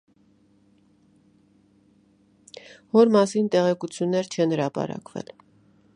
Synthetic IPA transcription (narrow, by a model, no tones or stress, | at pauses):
vɔɾmɑsint̪ɛʁɛkut͡sʰjunːɛɾt͡ʃʰɛnhəɾɑpɑ̰ɾɑ̰kvɛ̰l